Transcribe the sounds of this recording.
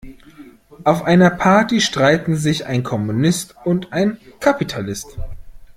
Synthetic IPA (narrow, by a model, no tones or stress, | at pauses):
ʔaʊfʔaɪnɐpʰaɐtiʃtʁ̥aɪtn̩zɪça̰ɪnkʰɔmunɪstʊntʔaɪnkʰapitʰalɪst